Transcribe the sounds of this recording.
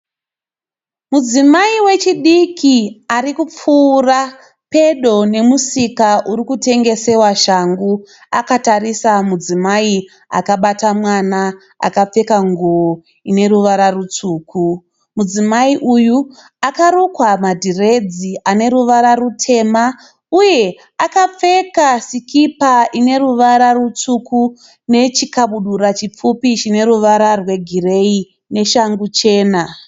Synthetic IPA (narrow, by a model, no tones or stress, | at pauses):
mud͡zimaiwe̞t͡ʃiɗikʰiaɾikup͡fuːra | pe̞ɗo̞ne̞musikaʔuɾikute̞ŋɡe̞se̞waʃaŋɡu | akatarisamud͡zimai | a̰kaɓatamwana | a̰kap͡fe̞kaŋɡuo | ine̞ɾuʋaɾarut͡suːkʰu | mud͡zimaiʔuju | akaɾukwamadʱire̞d͡ziane̞ɾuʋaɾarutʰe̞ma | uje̞ | akap͡fe̞kasikipaʔine̞ruʋaɾarut͡suku | ne̞t͡ʃikaɓuɗurat͡ʃip͡fupit͡ʃine̞ɾuʋaɾarwe̞ɡʱire̞i | ne̞ʃaŋɡut͡ʃe̞ːna